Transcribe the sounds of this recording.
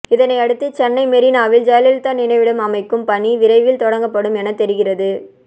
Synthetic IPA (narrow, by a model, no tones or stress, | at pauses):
ɪðɐnɐɪɐɽɯt̪ːɯt͡ʃɛnːɐɪmɛɾinaːʋɪld͡ʒɛjɐlɪlt̪aːnɪnɐɪʋɪɽɯmɐmɐɪkːɯmpɐɳiʋɪɾɐɪʋɪlt̪ɔɽɐŋɡɐpːɐɽɯmɛnɐt̪ɛɾɪɣɪrɐðɯ